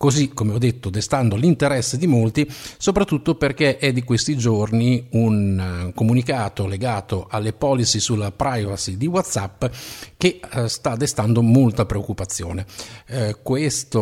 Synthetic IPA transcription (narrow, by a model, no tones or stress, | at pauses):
kozikomeɔd̪ːet̪ːod̪est̪and̪olint̪eɾɛsːed̪imolt̪isopɾat̪ːut̪ːoperkeʔɛd̪ːikwest̪id͡ʒorniunkomunikaːt̪oleɡaːt̪oʔalːepɔːlisisulːapɾajvasid̪iwat̪sapːk̟est̪ad̪ːest̪and̪omolt̪apɾeokːupat̪sːjo̰ːne | kwest̪o